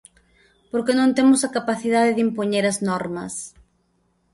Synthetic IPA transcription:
poɾkenõnt̪emʊsɐkapaθið̞aðɪðimpoɲeɾɐznɔɾmɐ̰s

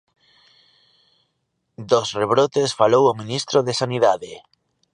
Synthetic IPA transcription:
d̪osreβ̞ɾot̪esfalowomĩnist̪ɾoðesaniðaðe

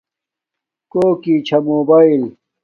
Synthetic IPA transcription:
koːkit͡ɕʰɐmoːbaːil

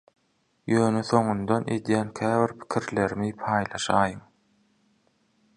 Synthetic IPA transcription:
jøːneθo̞ɴund̪one̞̰d̪jæːnkʲʰæːviɾpʰi̥kʰiɾle̞ɾmipʰɑːjlˠɑʃɑːjɯm

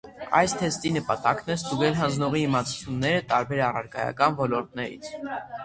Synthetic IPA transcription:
ɑ̰jst̪ʰɛst̪inəpɑt̪ɑknɛst̪uɡɛlɦɑnd͡znɔʁiimɑt͡sʰu̥t͡sʰjunːɛɾət̪ɑɾbɛɾɑrɑ̰ɾɡɑ̰jɑ̰kɑnvɔlɔɾt̪̚nɛɾḭt͡sʰ

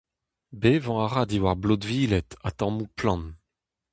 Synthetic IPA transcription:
beːvɑ̃aʁadiwaʁblodviːlɛt̪at̪ɑ̃muplɑ̃n

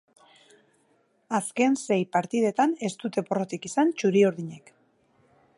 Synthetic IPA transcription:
aske̞nse̞jpaɾt̪ið̞e̞t̪ane̞st̪ut̪e̞poro̞t̪ikisant͡ʃuɾioɾðiɲe̞k

